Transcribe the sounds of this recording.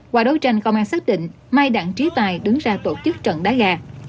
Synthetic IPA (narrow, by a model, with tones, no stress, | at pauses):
kwa̰ː˧˩ɗo˨˦jt͡ɕa˧jŋkə˧wŋ͡maː˧saː˦˥t̚ɗḭ˧˨ŋ̟ | ma˧jɗa̰ː˧˩˨ŋt͡ɕi˨˦t̪aː˨˩jɗɨ˨˦ŋzaː˧t̪o˧˩t͡ɕɨ˦˥k̚t͡ɕə̰˧˨nɗaː˨˦˥ɣaː˧